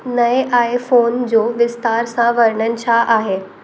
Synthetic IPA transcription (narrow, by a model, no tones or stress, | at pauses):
nɐeʔaːefoːnd͡ʑoːʋɪst̪aːɾsãʋɐɾɽənɪ̆t͡ɕʰaʔaːɦeː